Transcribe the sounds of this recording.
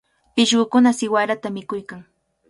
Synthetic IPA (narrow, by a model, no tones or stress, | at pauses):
pɪʃɢʊkʊnasɪwaɾat̪amɪkʊjkaŋ